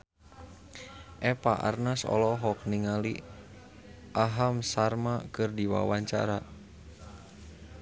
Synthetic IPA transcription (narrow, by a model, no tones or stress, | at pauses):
ʔɛpaʔa̰rnasɔ̰lɔɦɔk̚niŋali | ʔaɦamsarmakɨrdiwa̰waɲt͡ʃa̰ɾa